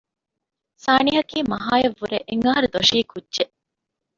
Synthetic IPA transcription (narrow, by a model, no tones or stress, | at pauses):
saːniɦɐkiːmɐɦaːjeʋːuɾeʔeŋːɐɦɐɾud̪oʂiːkudːʒeʔ